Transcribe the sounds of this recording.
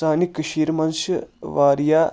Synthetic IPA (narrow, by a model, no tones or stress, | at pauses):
aːnikʃiːɾmɐnʃɐʋaːɾjaː